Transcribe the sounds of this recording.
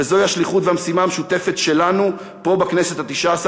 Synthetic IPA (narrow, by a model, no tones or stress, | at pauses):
ezo̞jihaʃliχutvehamsimaːmeʃute̞fe̞tʃe̞lanu | po̞bakne̞se̞t̪hat̪iʃaːs